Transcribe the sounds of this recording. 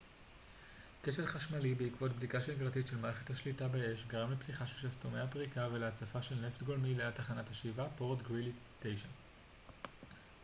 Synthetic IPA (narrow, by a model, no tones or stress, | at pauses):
keʃeʁχaʃmalibeikvo̞tbdikaʃenɡʁatitʃelmaːʁe̞χe̞thaʃlitabeeʃɡaʁamleptiχaʃelʃastomeapʁikaveleat͡safaʃe̞lneftɡo̞lmileataχanathaʃivapoʁtɡʁilitejʃan